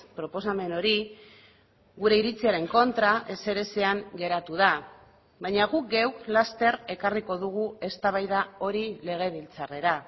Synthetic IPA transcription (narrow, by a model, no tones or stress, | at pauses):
pɾo̞po̞same̞no̞ɾi | ɡuɾe̞iɾit͡siaɾe̞ŋko̞nt̪ɾaʔe̞se̞ɾe̞se̞aŋɡe̞ɾat̪uða | βajɲaɣuk̚ɡewklast̪e̞re̞kariko̞ðuɣ̞ue̞st̪aβ̞ajðao̞ɾile̞ɣ̞e̞βilt͡sare̞ɾa